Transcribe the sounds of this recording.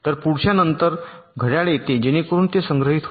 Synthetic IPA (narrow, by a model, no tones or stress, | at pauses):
t̪əɾpuɽɕjanənt̪əɾɡʱəɽjaɭet̪ed͡ʑeñekəɾuːnt̪esəŋɡɾəɦit̪ɦo